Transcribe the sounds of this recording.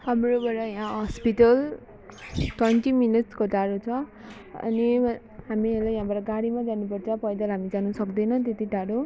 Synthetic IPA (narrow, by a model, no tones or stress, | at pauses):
hamrobʌɾʌjãɦʌspiʈʌl | twʌnʈiminiʈskoʈaɽot͡sʰʌ | ʌ̰ni | ɦamielajɦãbaɾʌɡaɽimad͡zanupʌrt͡sʰʌpʌjd̪ʌlɦamid͡zanusʌkd̪ʌjnʌ̃t̪et̪iɖaɽo